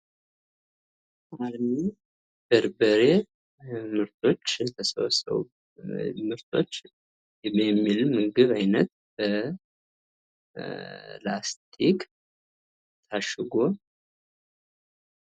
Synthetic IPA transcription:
aɾni | b̥əɾbəɾe̞ | mɨɾt̪ʰo̞t͡ʃːɨst̪ʰəsə̰wsə̰w | mɨɾt̪ʰo̞̰t͡ʃː | jɛmːilmɨɡɨβajnət̪ | b̥ə | last̪ʰʼik | t̪ʰaʃɨɡo

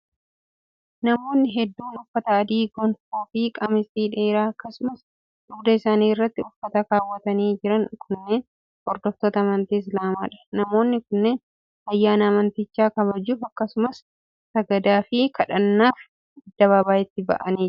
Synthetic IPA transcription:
nɐmo̞ːnːɪɦɛd̪ːuːnʊfːɐt̪ɐːd̪iːɡɔnfoːfikʼɐmɪst̪iːᶑe̞ːɾaːɐkːɐsʊmɐs | ᶑʊɡd̪ɐɪsaːniːɪrːɐt̪ːɪʊfːɐt̪ɐkaːwːɐt̪ɐniːd͡ʒɪɾɐnkʰʊnːeːn | hɔɾd̪ɔft̪oːt̪ɐːmɐnt̪iːɪs̬laːma̰ːᶑɐ̥nɐmo̞ːnːɪkʊnːeːn | ɐjːaːnɐːmɐnt̪ɪt͡ʃːaːkɐβɐd͡ʒːuːfɐkːɐsʊmɐs | sɐɡɐd̪aːfɪkʰɐᶑɐnːaːf | d̪ɐβɐbaːɪt̪ːɪbɐ̰ʔɐniː

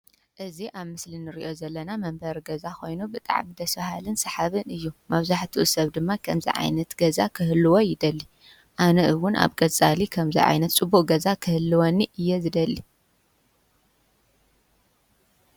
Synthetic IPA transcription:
ʔɨziʔaβmɨslinɨɾiʔo̞zɐlːɐnamɐmbɐɾɡɐzako̞jnubɨt̪ʼa̰ʕmid̪ɐsfahalɨnsɐħaβɨnɨjːumɐβzaħt̪ʰiʔusɐβd̪ɨmːakʰɐmzḭʕa̰jnɐt̪ɡɐza̰kʰɨhɨlːɨwo̞jɪd̪ɐlːi | ʔanɐʔɨwʊnʔa̰βkʼɐt͡sʼalikʰɐmzḭʕa̰jnɐt̪t͡sʼɨbuʔʼɡɐzakʰɨhɨlːɨwonːiʔɨjːɛzɨd̪ɐlːi

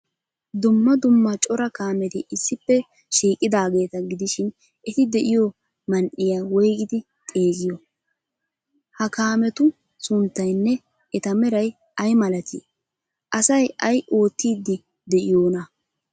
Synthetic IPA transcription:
d̪ʊmːɐd̪ʊmːɐt͡ʃʼɔɾɐkaːmɛt̪ɪʔɪsːɪpːɛ | ʃiːkʼɪd̪aːɡe̞ːt̪ɐɡɪd̪ɪʃɪn | ʔɛt̪ɪd̪ɛʔɪjo | mɐnʔɪjaːwɔjɡɪd̪ɪ | t̪ʼeːɡɪjɔ | hɐkaːmɛt̪ʊ | sʊnt̪ːɐjnːɛ | ɛt̪ɐmɛɾɐj | ɐjmɐlɐt̪ʰḭ | ʔɐsɐjɐjo̞ːt̪ːiːd̪ːɪ | d̪ɛʔɪjo̞ːnɐ

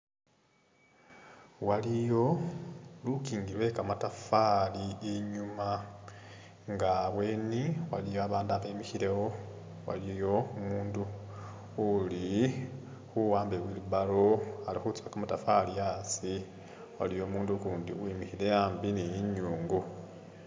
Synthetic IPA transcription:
walijo̞ | lukiːŋɡilwe̞kamatafaliiɲuma | ŋɡaβwe̞ːniwa̰lijoaβaːndaβaimixiɾe̞wo̞ | wa̰lijo̞umuːnduː | li | xuwaːmbewiːluβalo̞alixut͡swakamatafalijasi | wa̰lijo̞ːmuːndukuːndiwimixiɾe̞jaːmbinejiɲuːŋɡu

